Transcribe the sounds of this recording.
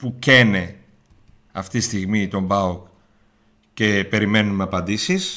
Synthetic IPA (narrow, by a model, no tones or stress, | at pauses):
pucene̞ | ɐft̪ist̪iɣmit̪o̞mbɐok | ce̞pe̞ɾime̞numeɐpɐnd̪isis